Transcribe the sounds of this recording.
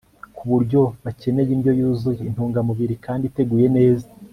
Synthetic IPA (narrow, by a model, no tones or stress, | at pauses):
kʰuβuɾɟo̞βace̞ne̞jinɟo̞juːzujein̥huːŋɡamuβiɾikaːndite̞ɡuːje̞ne̞ːza